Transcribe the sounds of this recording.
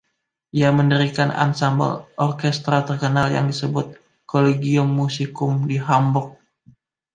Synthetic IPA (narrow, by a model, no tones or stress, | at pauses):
ʔiaməndəɾikanʔa̰nsambə̰lʔɔrkɛst̪ɾat̪ərkənalja̰ŋdisəbʊt̪̚ | koleɡiʊmːusikʊmdiɦambɔk̚